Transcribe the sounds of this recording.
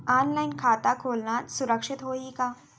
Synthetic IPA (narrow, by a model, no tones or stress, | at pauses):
aːnlaːɪnkʰaːt̪akʰoːlnasʊɾəkʃɪt̪ɦoːɦikaː